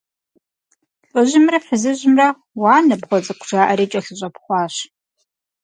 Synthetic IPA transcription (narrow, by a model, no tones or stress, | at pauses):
ɬʼɨʑɪmrɐħəzɨʑɪmrɐ | waːnɐpχʷɔt͡sʼɐkʷʰʈ͡ʂaːʔɐɾeːt͡ʃʼɐɬɨɕʼɐpχʷɑːɕ